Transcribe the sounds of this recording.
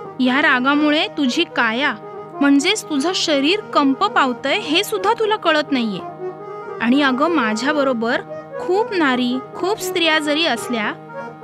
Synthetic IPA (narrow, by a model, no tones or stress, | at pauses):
jaɾaɡãmuɭet̪ud͡ʑʱiːkaja | m̤əɳd͡zet͡st̪ud͡zʱaɕəɾiːɾkəmpəpaʋt̪əjɦesud̪ʱːat̪ulakəɭət̪naijːe | aɽ̃iəɡəmad͡ʑʱjabəɾobəɾkʰuːpnaɾiːkʰuːpst̪ɾijad͡zəɾiːəslja